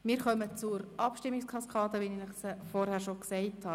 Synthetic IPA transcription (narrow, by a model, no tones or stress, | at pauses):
mɪːɾχœmət͡suɾɑpʃtɪmːikskʰɑskʰɑːdəʋinɪnəχsfɔrhæːɾʃoksɛɪthɑː